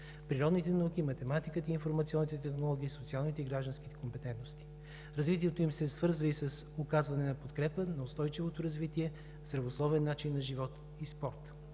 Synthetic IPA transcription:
pɾiɾɔd̪nit̪ɛnɐuk̟imɐt̪ɛmat̪ikət̪əinfoɾmɐt̪siɔnːit̪ɛt̪ɛxnolˠɔɡ̟ʲiːsot̪sialˠnit̪ɛiɡɾaʒd̪ɐnsk̟i̥t̪ɛ̥kompɛt̪ɛnt̪nost̪i̥ | ɾɐzvit̪iɛt̪oimsɛsvɤɾzvəisɐsokazvɐnɛnɐpot̪kɾɛpənɐʊst̪ɔjt͡ʃivot̪oɾɐzvit̪iɛ | zɾɐvoslˠɔvɛnːat͡ʃinːɐʒivɔt̪ | ispɔɾt̪

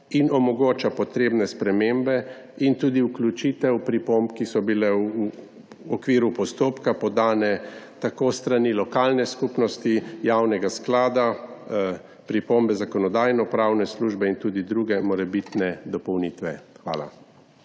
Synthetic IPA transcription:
inɔmɔɡoːt͡ʃapɔt̪ɾeːbnɛspɾɛmembɛ | int̪uːd̪iuklʲut͡ʃit̪ɛwpɾipompkisɔbilɛu | ɔkʋiːɾupɔst̪oːpkapɔd̪aːnɛt̪akoːst̪ɾanilɔkaːlnɛskupnɔst̪ijawnɛɡasklaːd̪a | pɾipombɛzakɔnɔd̪aːjnɔpɾaːwnɛsluʒbɛint̪uːd̪id̪ɾuɡɛmɔɾɛbit̪nɛd̪ɔpɔwniːt̪ʋɛxʋa̰ːla̰

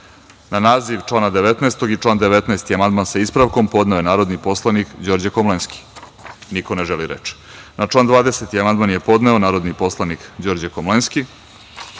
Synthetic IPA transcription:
nanaːziʋʈ͡ʂlˠaːnad̪eʋet̪naest̪o̞ɡit͡ʂlˠaːnd̪eʋet̪naest̪iamand̪mansaispɾaʋko̞mpo̞d̪naoje̞naːɾo̞d̪nipo̞slˠanikd͡ʑoɾd͡ʑekomlˠenski̥ | niko̞neʒeliɾḛt͡ʃi̥ | nat͡ʂlˠaːnd̪ʋaːd̪eset̪iamand̪̚manjepo̞d̪neonaːɾo̞d̪nipo̞slˠanikd͡ʑoːɾd͡ʑekomlenski

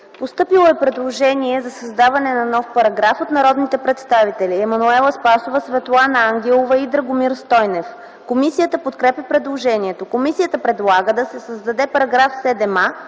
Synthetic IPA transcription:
post̪ɤpilˠoɛpɾɛd̪lˠoʒɛniɛzɐsɐzd̪avɐnɛnɐnɔfpɐɾɐɡɾafot̪nɐɾɔd̪nit̪ɛpɾɛt̪st̪avit̪ɛliɛmɐnuɛlˠəspasovəsvɛt̪lˠanəaŋɡʲɛlˠovɐid̪ɾɐɡʊmiɾst̪ɔjnɛf | komisijət̪əpot̪kɾɛpʲɛpɾɛd̪lˠoʒɛniɛt̪okomisijət̪əpɾɛd̪lˠaɡəd̪ɐsɛsəzd̪ɐd̪ɛpɐɾɐɡɾafsɛd̪ɛma

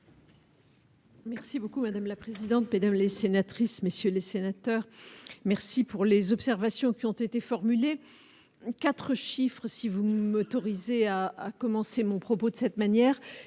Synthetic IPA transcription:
mɛʁsibokumad̪amlapχezid̪ɑ̃t̪med̪amlesenat̪χismesjølesenat̪œːʁmɛʁsipuʁlezɔpsɛʁvasjɔ̃kʲiɔ̃t̪et̪efɔʁmyle | kat̪χəʃifχəsivumɔt̪ɔʁizeaːkɔmɑ̃semɔ̃pχɔpod̪əsɛt̪manjɛːʁ

